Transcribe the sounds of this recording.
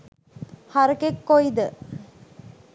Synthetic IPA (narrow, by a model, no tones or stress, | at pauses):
hɐɾəkekːojd̪ə